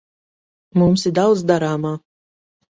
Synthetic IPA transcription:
mumsid̪awd̪d̪aɾaːmaː

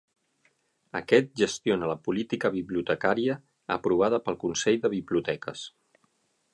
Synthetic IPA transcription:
ə̰kɛt̪̚ʒəst̪ionələpulit̪ikəβiβliut̪əkaɾiə̰ː | pɾuβ̞að̞əpəlˠkunsɛʎðəβiβliut̪ɛkə̰s

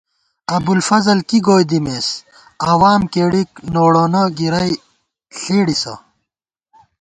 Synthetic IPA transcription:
ɐbulfɐzɐlkiɡoːjd̪imeːs | aːwaːmkeːɽik̚noːɽoːnɐɡiɾɐj | ɬeːɽisɐ̰

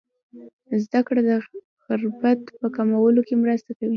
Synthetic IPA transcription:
zd̪akɽad̪ə | xɪɾbat̪pəkamawəlokemɾəst̪akawi

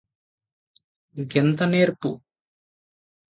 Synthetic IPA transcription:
ɡent̪ɐneːɾpu

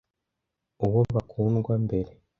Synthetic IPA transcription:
uβo̞βakʰuːnɡwambe̞ɾe̞

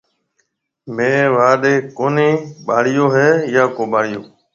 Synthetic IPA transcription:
mẽːʋaːɗeːkoːniːɓaːɽɪjoːɦeːjaːkoːɓaːɽɪjoː

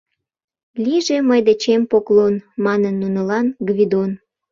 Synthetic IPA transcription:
lʲiʒeməjd̪et͡ɕempoklonmɑnənːunəlɑnɡβʲid̪on

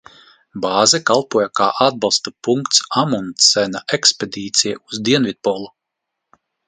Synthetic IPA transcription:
baːzɛkalˠpuɔjakaːʔad̪̚bɑlˠst̪upuŋkt̪samunsɛnaeksped̪iːt̪sʲijauzd̪iɛnvʲid̪̚pɔlˠu

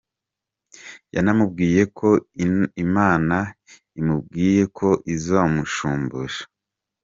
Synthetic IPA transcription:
ja̰namubɡiːje̞kʰo̞imaːna | imub̚ɡiːje̞kʰo̞ʔizoːmuʃuːmbuʒḁ

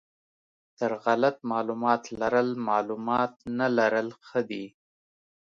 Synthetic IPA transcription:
t̪əɾɣalat̪mɑlumɑt̪laɾəlmɑlumɑt̪̚nalaɾəlxəd̪i

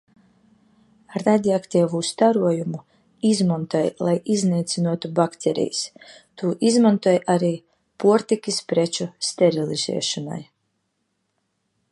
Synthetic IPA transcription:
ɾad̪ʲiakt̪iːvust̪aɾuɔjumu | izmɔnt̪ɔjlˠajizniːt̪sinuɔt̪ubakt̪ʲʰɛɾḭjs | t̪ʰuːʔizmɔnt̪uɔjʔaɾiː | puɔɾt̪ikʲispɾet͡ʃust̪ɛɾilˠiz̥ɛ̰ɛʃɔna̰j

